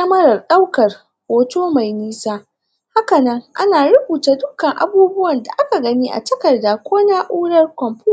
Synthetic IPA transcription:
ɐ˦mɐ˦ɾɐ˨rɗa˦wkɐ˨r | wo˨toː˦ma˨jniː˦saː˦ | ha˦kɐ˨nɐ˦ŋʔa˦naː˨ɽʊ˦buː˨taː˨dʊ˦kɐ˨ŋʔa̰˦buː˦bʊ˦wɐ˨nda̰˨ʔa˦ka˨ɡɐ˦niː˦ʔa̰˨tɐ˦kɐ˨rda˨kʷoː˦naː˦ʔuː˦ɽɐ˦rkʷɔ˨mɸuː˦˨

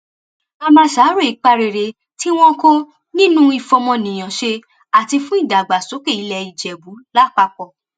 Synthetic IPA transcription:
a˧mãː˧ʃa˨˦ɾo˦˨i˨˦k͡pa˧ɾe˨ɾe˧ | ti˦w̃ɔ̃˦kõ˦ | nĩ˦nũ˦i˦˧fɔ˧mɔ̃˧nĩ˨j̃ã˨ʃe˧ | a˨ti˧fũ˦i˦˨da˨ɡ͡ba˨so˨˦ke˦˨i˨˧lɛ˧i˨d͡ʒɛ˨bu˨˦la˦˨k͡pa˧k͡pɔ˨

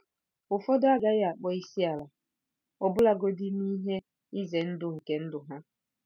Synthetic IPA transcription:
ʊ˨fɔ˦dʊ˦a˦ɡa˦ja˨a˨k͡pɔ˦i˦si˦a˨la˨ | ɔ˨bʊ˦la˦ɡo˦di˦n˦i˦ɦe˦ | i˦ze˨n̩˦dʊ˨ŋ̩˨ke˦n̩˦dʊ˨ɦa˦

